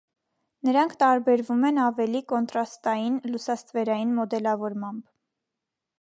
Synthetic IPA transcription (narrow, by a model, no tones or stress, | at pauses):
nəɾɑŋkʰt̪ɑɾbɛɾvumɛnɑvɛlikɔnt̪ɾɑst̪ɑjinlusɑst̪vɛɾɑjinmɔd̪ɛlɑvɔɾmɑmb